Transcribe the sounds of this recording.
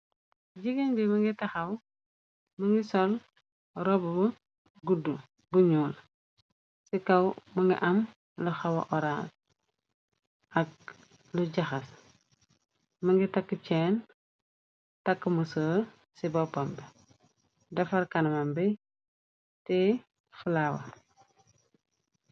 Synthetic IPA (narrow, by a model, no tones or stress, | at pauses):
ɟiɡɐɲbimɐŋɡitɐxɐw | mɐŋɡisɔl | ɾɔbubɐ | ɡudu | buɲuːl | sikɐwmɐŋɡḭʔɐm | luxɐwɐ̰ʔɔɾas | ɐk̚ | luɟɐxɐs | mɐŋɡitɐkːət͡ʃɛːn | tɐkːəmusəː | sibɔpɐmbɛ | dɐfɐɾkɐnɐmɐmbɛ | tɛ | fulawɐ̰